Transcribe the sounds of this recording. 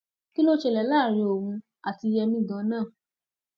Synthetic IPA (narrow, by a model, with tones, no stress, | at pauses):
ki˦lo˦ʃe˧lɛ˨laː˦˨ɾĩ˧o˨ũ˧ | a˨ti˧jɛ˧mĩ˦˨dã˨˦nãː˦˨